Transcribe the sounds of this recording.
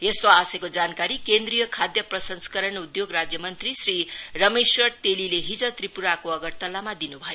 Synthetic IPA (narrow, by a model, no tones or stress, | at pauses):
est̪oasekod͡zankaɾikend̪rijʌkʰad̪jʌprʌsʌnskʌɾʌnud̪joɡrad͡zjʌmʌnt̪risrirʌmeswʌrt̪elileɦid͡zʌt̪ripuɾakoʌɡʌrt̪ʌlːamad̪inubʱʌjo